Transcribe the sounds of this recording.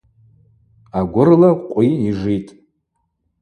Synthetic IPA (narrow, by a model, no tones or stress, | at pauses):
aɡʷʊrlaqʷʼiiʐitʼ